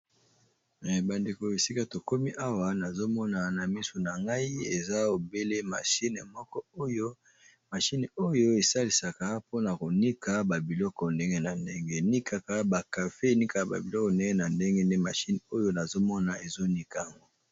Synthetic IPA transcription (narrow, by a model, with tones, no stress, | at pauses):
ba˨nde˨ko˨e˨si˦ka˦to˨ko˦mi˦ʔa˦wa˨˦na˨zo˦mɔ˦na˨na˨mi˦so˨na˨ŋɡa˦i˦e˨za˦o˨be˦le˦ma̰˨ʃi˦ne˨mɔ˦kɔ˦o˦jo˦ | ma˨ʃi˦n˨o˦jo˦e˨sa˦li˨sa˨ka˦po˦na˨ko˨ni˦ka˨ba˨bi˨lɔ˦kɔ˨nde˦ŋɡe˦na˨nde˦ŋɡe˦ni˦kʰa˨ka˦ba˨ka˨fe˦e˨ni˦ka˨ka˨ba̰˨bi˨lɔ˦kɔ˨nde˦ŋɡe˦na˨nde˦ŋɡe˦nde˦ma˨ʃi˦n˨o˦jo˦na˨zo˦mɔ˦na˨e˨zo˦ni˦ka˨a˨ŋɡo˦